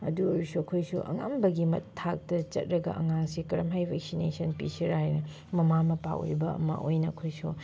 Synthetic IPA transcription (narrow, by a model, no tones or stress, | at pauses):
ɐ̰duoɾusuɐkʰojsṵʔɐ̰ŋambɐɡimɐ̰tʰːak̚tɐt͡ʃɐ̰t̚ɾɐɡɐ̰ʔɐ̰ŋaŋsikɐɾɐmɦajbʱek̚sinesɐnpḭsiɾajnɐ | mɐmamɐpa̰o̰jbɐɐ̰mɐ̰ʔojnɐːkʰojsu